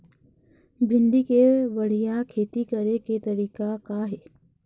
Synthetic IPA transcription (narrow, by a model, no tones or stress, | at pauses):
bʱɪ̃nd̪ikeʋɐɽ̤ijakʰeːt̪ikɐɾeket̪ɐɾiːkakaɦeː